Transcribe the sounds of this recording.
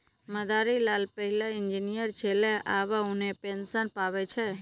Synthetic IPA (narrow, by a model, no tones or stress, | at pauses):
məd̪ʱaɾilalpəɦilaɪɲd͡ʒinijəɾt͡ʃʰeleʔaʋaũnepensənpaʋet͡ʃʰe